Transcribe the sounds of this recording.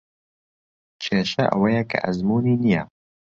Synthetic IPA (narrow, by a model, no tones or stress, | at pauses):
t͡ʃʰeːʃɐʔɐ̰wɐjɛkʰa̰ʔɐzmuːniːnijɛ